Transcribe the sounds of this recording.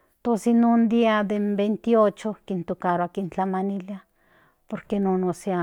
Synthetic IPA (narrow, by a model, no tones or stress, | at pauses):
t̪osinund̪iad̪embent̪iot͡ʃokint̪ukaɾoakint͡ɬamanilja | poɾkenonosea